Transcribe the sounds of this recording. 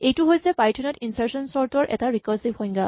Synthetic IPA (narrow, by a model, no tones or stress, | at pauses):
ejtuɦojsɛpajtʰɔnɔtinsaɹsɔnsɔɹtɔɹʔɛ̰taɹikɔɹsibhɔj̃ŋɡa